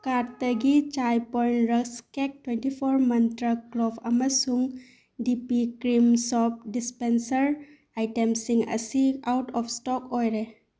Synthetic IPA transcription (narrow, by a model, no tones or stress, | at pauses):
kaɾt̪əɡit͡ʃajpɔjnɾəkskek̚twenʈipʰɔɾmɐnt̪ɾaklɔpʰɐməsuŋ | ɖipikɾimsɔp̚ɖispensəɾ | ajʈemsiŋɐ̰siawʈɔpʰsʈɔkɔjɾe